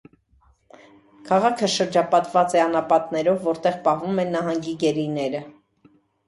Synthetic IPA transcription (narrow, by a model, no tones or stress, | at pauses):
kʰɑʁɑkʰəʃəɾd͡ʒɑpɑt̪vɑt͡sɛɑnɑpɑt̪nɛɾɔvːɔɾt̪ɛʁpɑɦvumɛnːɑɦɑŋɡiɡɛɾinɛɾə